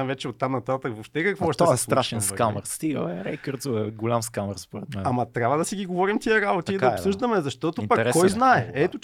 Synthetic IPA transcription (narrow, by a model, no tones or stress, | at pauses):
vɛt͡ʃɛot̪ːamnɐt̪at̪əvopʃt̪ɛkɐkvoʃt̪ɛɔɛslˠɾaʃɛnskamɛɾst̪iə̰ɛɾɛ̰jkəɾt̪zoɛɡolʲamskaməɾspoɾɛt̪mɛnamɐt̪ɾʲabvəd̪ɐsiɡiɡovɔɾimt̪iəɾabot̪iːd̪ɐopsɤʒd̪ɐmɛzɐʃt̪ɔt̪opɐkɾɛːɔjznaɛɛt̪o